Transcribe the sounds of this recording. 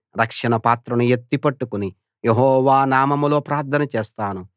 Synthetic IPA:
ɾɐkʂɐɳɐpaːt̪ɾɐnujet̪ːipɐʈːukuni | jeɦɔːʋaːnaːmɐmulo̞ːpɾaːɾt̪ʰɐnɐt͡ʃeːst̪aːnu

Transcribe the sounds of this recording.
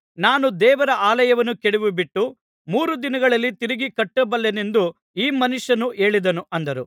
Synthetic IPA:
naːnud̪ɛːʋɐɾɐʔaːlɐjɐʋɐnːukeɽiʋubiʈːu | muːɾud̪inɐɡɐɭɐlːit̪iɾiɡikɐʈːɐbɐlːenend̪u | iːmɐnuʂjɐnuʔe̞ːɭid̪ɐnuʔɐnd̪ɐɾu

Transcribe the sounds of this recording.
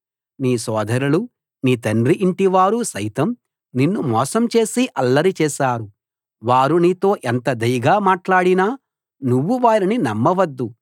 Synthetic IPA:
niːsɔːd̪ʱɐɾulu | niːt̪ɐnɾiʔiɳʈiʋaːɾusɐjt̪ɐm | ninːumɔːsɐmt͡ʃe̞ːsiʔɐlːɐɾit͡ʃɛːʃaːɾu | ʋaːɾuniːt̪o̞ːʔent̪ɐd̪ɐjɐɡaːmaːʈlaːɽinaː | nuʋːuʋaːɾininɐmːɐʋɐd̪ːu

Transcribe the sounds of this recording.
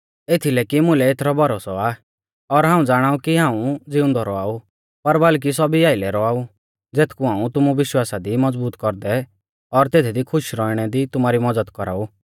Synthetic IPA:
et̪ʰilɛːkimʊ̃lɛeːt̪ʰɾɔbɔɾoːsɔaː | ɔɾɦãːũd͡zaːɽ̃aːukiɦãːũd͡zɪʊ̃nd̪ɔɾɔaːu | pɐɾbɐlk̬is̬ɔbiaːɪlɛɾɔaːu | d͡zeːt̪ʰkuɦaːũt̪ʊmuʋɪʃwaːsad̪imɐd͡zbuːt̪kɔɾd̪ɛ | ɔɾt̪eːt̪ʰid̪ikʰʊʃɾɔːiɽ̃ɛd̪it̪ʊmaːɾimɔd͡zəd̪kɔɾa̰ːuː

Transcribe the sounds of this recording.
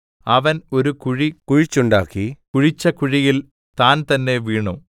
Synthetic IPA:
ɐʋɐno̞ɾukuɻikuɻit͡ɕːuɳɖaːkːikuɻit͡ɕːɐkuɻijil | t̪aːnt̪ɐnːe̞ʋiːɳu

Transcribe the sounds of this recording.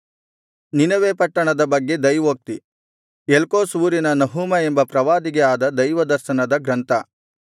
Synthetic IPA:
ninɐʋeːpɐʈːɐɳɐd̪ɐbɐɡːe̞d̪ɐjʋoːk̚t̪i | elkoːsuːɾinɐnɐɦuːmɐembɐpɾɐʋaːd̪iɡɛaːd̪ɐd̪ɐjʋɐd̪ɐɾʃɐnɐd̪ɐɡɾɐnt̪ɐ

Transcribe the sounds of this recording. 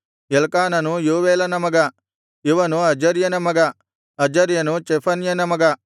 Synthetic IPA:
jelkaːnɐnujuːʋeːlɐnɐmɐɡɐ | iʋɐnuɐd͡ʒɐɾjɐnɐmɐɡɐ | ɐd͡ʒɐɾjɐnut͡ʃepʰɐnjɐnɐmɐɡɐ

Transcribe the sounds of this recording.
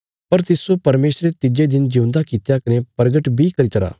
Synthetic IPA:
pɐɾt̪ɪsopɐɾmeːsɾet̪ɪd͡ʒed̪ɪnd͡ʒɐũnd̪akiɪt̪jakɐnepɐɾɡəʈbʱikɐɾit̪ɐɾa̰ː

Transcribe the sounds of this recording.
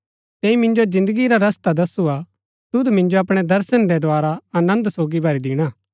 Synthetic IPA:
t̪ɛːimɪ̃nd͡ʒozɪ̃nd̪əɡiɾaɾɐst̪ad̪ɐsua | t̪ʊd̪mɪ̃ɲd͡ʒoɐpɽ̃ɛd̪ɐɾsəndɛd̪oaːɾaɐnə̃nd̪soːɡibʱɐɾid̪ɪɽ̃aː

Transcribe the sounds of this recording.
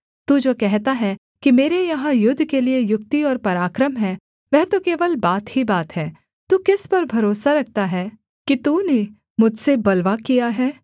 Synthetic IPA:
t̪ud͡ʒoːkɛɦt̪aɦɛ | kimeːɾejɐɦãjʊd̪ʱːkeliejʊk̚t̪iɔːɾpɐɾaːkɾəmɦɛ | ʋɛɦt̪okeːʋəlbaːt̪hibaːt̪ɦɛː | t̪uːkɪspɐɾbʱɐɾoːsaɾɐk̚ʰt̪aɦɛː | kit̪uːne | mʊd͡ʒʱsebɐlʋakijaɦɛː

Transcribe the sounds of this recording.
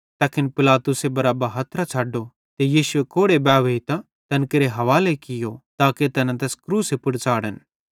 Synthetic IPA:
t̪aːkɪnpɪlaːt̪ʊsebɐɾaːbɐɦɐt̪ɾat͡ʃʰaːɖo | t̪ejiːsʊekoːɽebɛːʋeit̪a | t̪ɐnkɐɾeɦɐʋaːlekɪjot̪aːket̪ɐnãt̪̬ɛːskɾuːsepʊɽt͡ʃaːɽən

